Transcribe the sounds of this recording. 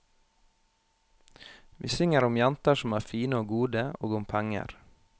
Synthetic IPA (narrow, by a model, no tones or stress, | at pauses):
ʋḭːsʏŋəɾʊmjɛnt̪əʃɔmæːfiːnəoːɡuːd̪əoːɡʊmpʰæŋə̰ɾ